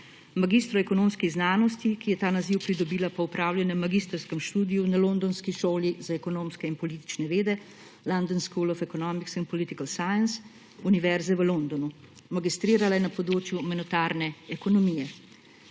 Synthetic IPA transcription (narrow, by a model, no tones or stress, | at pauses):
maɡist̪ɾɔɛkɔnoːmskiɣznaːnɔst̪ikijɛt̪aːnaziwpɾid̪ɔbiːlapɔupɾaːwlʲjanɛmaɡist̪ɾskəmʃt̪uːd̪ijunalond̪ɔnskiʃoːlizaɛkɔnoːmskɛinpɔliːt̪i̥t͡ʃnɛʋeːd̪ɛ | land̪ənskulɔfɛkɔnɔmiksinpɔlit̪ikalsajəns | uniʋɛɾzɛʋəlond̪ɔnu | maɡist̪ɾiːɾalajɛnapɔd̪ɾoːt͡ʃjumɛnɔt̪aːɾnɛɛkɔnɔmijɛ